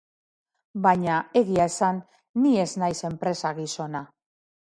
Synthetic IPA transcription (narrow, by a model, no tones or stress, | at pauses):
bajɲae̞ɣiae̞sanː | ie̞znajse̞mpɾe̞saɣiso̞na